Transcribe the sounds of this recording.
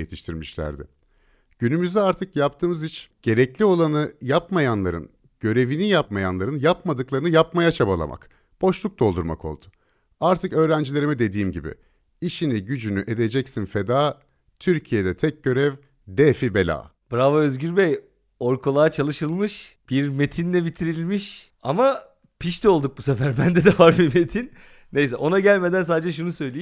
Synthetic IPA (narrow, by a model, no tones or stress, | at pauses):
et̪ʰi̥ʃt̪ʰiɾmiʃlʲæ̰ɾd̪ɪ̰ | ɟ̥ynymyzd̪ɛaɾt̪ʰɯkjap̚t̪ʰɯːmɯzit͡ʃɟ̥e̞ɾɛclʲio̞lˠanɯjapmajanlˠaɾɯ̰n | ɟ̥ø̞ɾe̞vinijapmajanlˠaɾɯnjapmad̪ɯklˠaɾɯnɯjapmajat͡ʃʰabalˠa̰mʔa̰k | b̥o̞ʃlˠuk̚d̪o̞lˠd̪uɾma̰kʰo̞̰lˠd̪̥ʊ̥ | aɾt̪ʰɯkø̞ːɾænd͡ʒilʲeɾimid̪e̞d̪iːmɟibḭ | iʃiniɟyd͡ʒynyʔe̞d̪e̞d͡ʒɛcsinfe̞d̪aː | t̪ʰyɾcʰijed̪ɛt̪ʰɛc̚ɟø̞ɾɛv | d̪eːfibe̞lʲa̰ːb̥ɾavaøzɟyɾbej | oɾkʰolˠaat͡ʃʰalˠɯʃɯlˠmɯʃb̥iɾme̞t̪ʰinlʲɛbit̪ʰiɾilʲmiʃ | ama | pʰiʃt̪ʰo̞lˠd̪uk̚busefæɾbænd̪ɛd̪ɛvaɾbiɾme̞t̪ʰinː | e̞jsɛʔo̞naɟælʲme̞d̪ænsaːd̪ed͡ʒɛʃ̬unusø̞jlʲeim